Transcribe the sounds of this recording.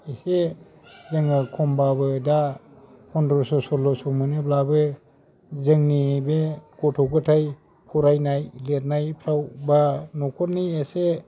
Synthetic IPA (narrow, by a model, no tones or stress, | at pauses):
ise | zɯŋakʰɔmbabɯda | hɔndɾɔɾsɔsɔlɔsɔmɯneblabɯ | zɯŋnibekɔtʰɔɡɯtʰaj | kʰɔɾajnajlet̚najpʰɾawbanɔkʰɔt̚niese